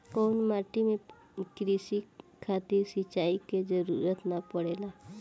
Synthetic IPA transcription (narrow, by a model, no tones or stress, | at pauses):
koːnmaːʈimẽ | kɾisikʰaːt̪ɪɾsit͡ʃaːiked͡ʒəɾuːɾət̪napəɽeːlaː